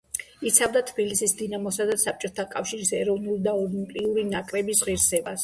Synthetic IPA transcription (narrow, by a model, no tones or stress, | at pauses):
it̪sʰavd̪at̪ʰbilisisd̪inamɔsad̪asap̚t͡ʃʼɔt̪ʰakʼafʃiɾisɛɾɔvnulid̪aɔlimpʼliuɾinakʼɾɛbisʁiɾsɛbas